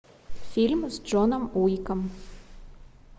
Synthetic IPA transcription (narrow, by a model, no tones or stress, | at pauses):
fʲilʲmzd͡ʒonəmujkəm